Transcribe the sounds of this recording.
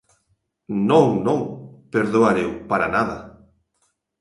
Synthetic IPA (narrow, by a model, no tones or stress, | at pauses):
nõŋnõŋpeɾðoaɾewpaɾa̰naðɐ̰